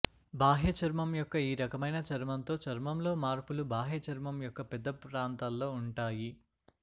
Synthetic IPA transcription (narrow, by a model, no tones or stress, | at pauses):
bʱaːɦjɐt͡ʃɐɾmɐmjɔkːɐiːɾɐkɐmɐjnɐt͡ʃɐɾmɐnt̪o̞ːt͡ʃɐɾmɐmlo̞ːmaːɾpulubaːɦɐt͡ʃɐɾmɐmjɔkːɐpɛd̪ːɐpɾaːnt̪aːlːo̞ːuɳʈaːji